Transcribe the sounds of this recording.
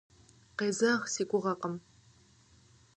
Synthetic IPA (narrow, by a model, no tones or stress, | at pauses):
qeːzɐxsiːkʷʼʊʁɐqəm